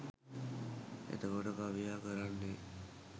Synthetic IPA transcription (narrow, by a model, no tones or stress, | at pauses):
ḛt̪əkoʈəkaʋijaːkəɾanːe